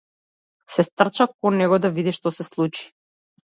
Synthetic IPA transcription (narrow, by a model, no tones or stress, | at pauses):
sɛst̪r̩t͡ʃakɔnɛɡɔd̪avid̪iʃt̪ɔsɛslˠut͡ʃi̥